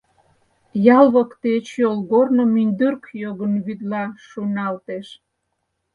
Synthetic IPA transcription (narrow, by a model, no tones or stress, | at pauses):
jɑlβəkt̪et͡ɕjolɣornomynʲd̪yrkjoɣənβyd̪lɑʃunɑlt̪eʃ